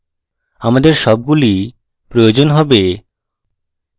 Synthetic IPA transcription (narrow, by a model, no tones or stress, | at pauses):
amad̪eɾʃɔb̚ɡuli | pɾojod͡ʑonɦɔbe